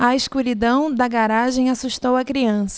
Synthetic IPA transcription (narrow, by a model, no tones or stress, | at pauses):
ɐiʃkuɾid̪ɐ̃w̃d̪ɐɡaɾaʒẽj̃asuʃt̪owɐkɾiɐ̃sɐ̥